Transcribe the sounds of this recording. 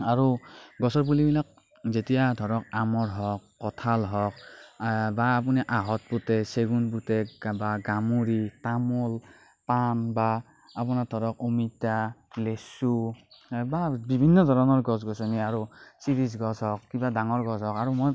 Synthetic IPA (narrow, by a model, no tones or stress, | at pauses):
aɹuɡɔsɔɹp̬ulibilak̚ | zetijadʱɔɹɔk̚amɔɹɦɔkːɔtʰalɦɔk̚ | baːp̬uniʔaɦɔt̚putɛseɡunp̬utɛbaɡamuɹitamɔl | panbaː | p̬ɔnadʱɔɾɔkumita | lesu | babibʱinːɔdʱɔɾɔnɔɹɡɔs̬ɡɔsɔniaɹusiɾis̬ɡɔsɦɔkːibadaŋɔɹɡɔsɔkaɹumoj